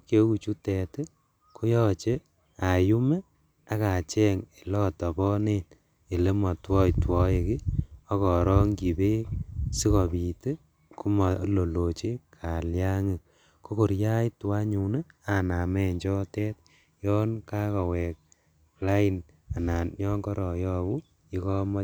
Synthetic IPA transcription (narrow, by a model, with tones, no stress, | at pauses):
kje˦ku˨t͡ʃu˦tɛ˨te˦ | ko˦jɔ˦t͡ʃe˦ | a˨ju˦me˦ | a˦ka˨t͡ʃɛ˦ŋe˨lɔ˦tɔ˨bɔ˦ne˦n | e˨le˦mɔ˨twɔ˦jtwɔ˦e˨ki˦ɔ˦kɔ˨ɾɔ˦ŋki˨be˦si˦kɔ˨bi˨te˦ | ku˦ma˨lo˨lo˨t͡ʃe˦kʰa˨lja˦ŋi˨ | ko˦ko˨ɾja˦jtwa˦ɲu˨ne˦a˨na˨mɛ˦ɲd͡ʒɔ˦tɛ˦t̚ | jɔ˦nka˦kɔ˨wɛ˨k̚ | pla˦i˨n | a˨na˨njɔ˦ŋɡɔ˦ɾɔ˨jɔː˦ku˦ | i˦kɔ˦mɔ˦